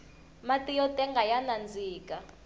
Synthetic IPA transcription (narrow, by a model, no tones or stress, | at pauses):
matʼijɔtʼɛŋɡʱajanand͡zʱiːkʼa